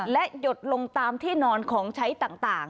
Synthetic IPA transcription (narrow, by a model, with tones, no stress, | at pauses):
lɛ˦˥jo˨˩t̪̚lo˧ŋt̪aː˧mt̪ʰiː˥˩nɔː˧nkʰɔː˩˦ŋt͡ɕʰa˦˥jt̪aː˨˩ŋt̪aː˨˩ŋ